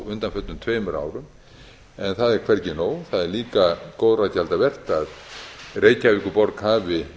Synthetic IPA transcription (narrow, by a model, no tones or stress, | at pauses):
ʏnt̪anfœt̪ʏmt̪ʰveːmʏɾa̰ːwɾʏm | ɛnθaðɛɾkʰvɛɾcɪnoːwθaðɛɾliːkakoːwðrajchalt̪avɛr̥t̪aðreːjcavihkʏpɔɾkhaːvɪ